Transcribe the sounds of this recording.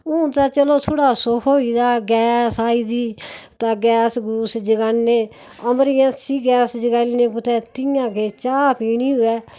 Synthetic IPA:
ʊ̃ːt̪aːt͡ʃəloːt̪ʰoːɽaːsʊkʰoːiːd̪aːɡɛːsaːiːd̪iːt̪ãːɡɛːsɡuːsd͡ʒəɡaːnneː | əmɾɪjãːsiːɡɛːsd͡ʒəɡaːliːnẽːpʊt̪ʰɛːt̪ɪjãːkeːt͡ʃaːpiːniːɦʊɛː

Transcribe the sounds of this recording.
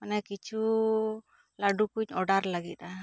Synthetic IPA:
manɛkit͡ʃʰu | laɖukuɲɔɖaɾlaɡit̪a

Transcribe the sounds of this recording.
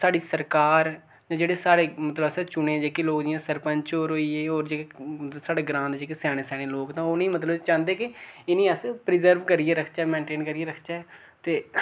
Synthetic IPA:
saːɖiːsəɾkaːɾ | d͡ʒãːd͡ʒeːɽeːsaːɽeːmət̪ləbəst͡ʃʊnẽːd͡ʒeːkeloːkd̪ɪjãːsəɾpəɲt͡ʃoːɾɦoːiːeːoːɾd͡ʒeːkeəsaːɖeːɡɾãːnd̪d͡ʒeːkesɛːɽ̃ẽːsɛːɽ̃eːloːkt̪ãːʊnĩːmət̪ləbt͡ʃãːnd̪eːkɪɪnĩːəspɾɪzəɾʋkəɾieːɾəkʰt͡ʃaːmẽːɳʈeːnkəɾieːɾəkʰt͡ʃaɛ | t̪eː

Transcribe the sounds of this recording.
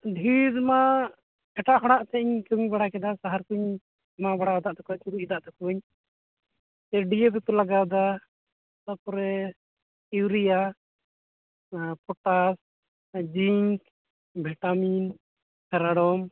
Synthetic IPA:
ɖʱiɾma | ɛʈaʔkɔɽ̃aʔt̪ɛiɲkɛiɲbaɽakɛd̪asaɦaɾkuɲ | mabaɽaɔd̪aʔt̪ɛkɛɲt̪uɾuʔid̪aʔt̪ɛkɔɛɲ | tɛɖijebɛt̪ulaɡawd̪a | sapɔɾɛ | iwɾija | pʰɔʈas | d͡ʒiŋk | bʱɛʈamin | sʰɛɾaɽɔm

